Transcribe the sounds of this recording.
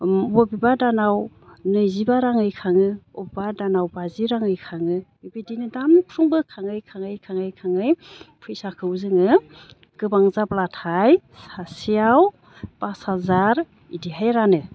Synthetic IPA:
bɔbibadanaw | nɯjzibaɾaŋɯjkʰaŋɯɔbibadanawbaziɾaŋɯjkʰaŋɯ | ibidinɯdamkʰɾuŋbɯkʰaŋɯjkʰaŋɯjkʰaŋɯjkʰaŋɯjpʰɯjsakʰɯwzɯŋɯ | ɡ̥ɯbaŋzablatʰajsasijaw | pashazaɾ | idiɦajɾanɯ

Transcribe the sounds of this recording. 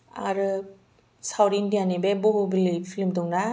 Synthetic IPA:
a̰ɾɯ | sawɾindijanebebɔɦubilipʰilimdɔŋna

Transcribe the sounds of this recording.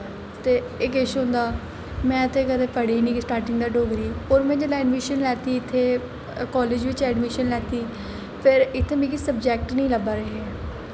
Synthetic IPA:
t̪eː | ɪkɪʃɦʊ̃ːnd̪aː | mɛ̃ːət̪ʰeːkəd̪eːpəɽiːnĩːksʈaːɾʈɪ̃ŋɡd̪aːɖoːɡɾiːoːɾmɛ̃ːd͡ʒəlɛːɖmɪʃənlɛːt̪iːɪt̪ʰːeː | kɔːleːd͡ʒʋɪt͡ʃɛːɖmɪʃənlɛːt̪iː | pʰɪɾɪt̪ʰːẽːmɛ̃ːkisəbd͡ʒɛːk̚ʈnəĩːləbaːɾəɦeɛː

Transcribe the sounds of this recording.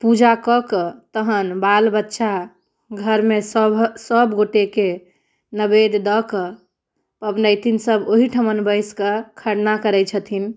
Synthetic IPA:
pud͡ʒakɔkət̪əɦənbalbətːʃa | ɡʱəɾmesəsəbɡoʈeke | nəbed̪d̪ɔkə | pəbnəjt̪insəboɦiʈʰəmənbəɪskəkʰəɽnakəɾɛt͡ʃʰət̪ʰin

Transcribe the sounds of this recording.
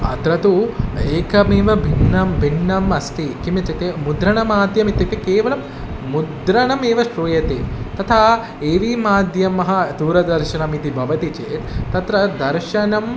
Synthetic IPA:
ɐ̰t̪ɾɐt̪ueːkɐmeːʋɐbʱinːɐmbʱinːɐmɐst̪ikimɐt̪ːɐt̪emud̪ɾɐɳɐmaːd̪ʱjɐmit̪ːɐkt̪ːekeːʋɐlɐmː | ud̪ɾɐɳɐmeːʋɐʃɾuːjɐt̪ḛt̪ɐt̪ʰaː | eːʋimaːd̪ʱjɐmɐɦɐ̆d̪uːɾɐd̪ɐɾʃɐnɐmit̪ibʱɐʋɐt̪it͡ʃeːt̪t̪ːɐt̪ɾɐd̪ɐɾʃɐnɐm

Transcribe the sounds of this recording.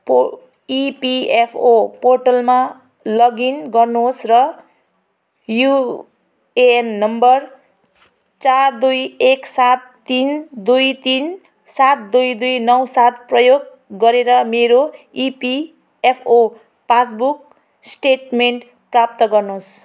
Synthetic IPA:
p | ipiepʰoporʈʌlma | lʌɡinɡʌrnuɦosrʌ | ju | eenːʌmbʌr | t͡sard̪ujeksat̪ːind̪ujt̪in | sat̪̚d̪ujd̪ujnʌwsat̪prʌjoɡː | ʌɾeɾʌmeɾo | ipi | epʰo | pas̬buk̚ | sʈeʈmeɳʈ | prap̚t̪ʌɡʌrnos

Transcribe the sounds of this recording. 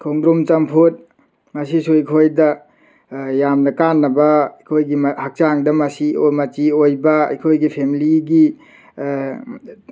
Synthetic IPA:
kʰoŋɡɾumt͡ʃɐmpʰut̚ | mɐsisuikʰojdɐ | jamnɐkanːɐbɐikʰojɡimhak̚t͡ʃaŋdɐmɐsimɐt͡ʃiojbɐḭkʰojɡipʰemiliɡi

